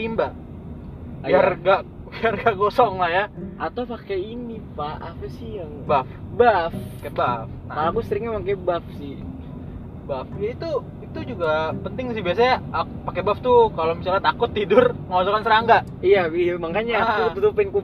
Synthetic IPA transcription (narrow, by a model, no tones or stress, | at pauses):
imba | jarɡaʔ | jarɡaʔɡosɔŋlahjaʔat̪awpakeinipaapasiaŋbafbafkebafakalakusɾɪŋɲamakebafsɪh | bafait̪u | it̪ud͡ʒuɡapənt̪ɪŋsɪhbias̬aɲaʔpakebaft̪ukalomisalat̪akʊt̪ːidʊrməŋɔsɔkansəɾaŋɡa | ijamaŋkaɲaut̪ut̪upɪnku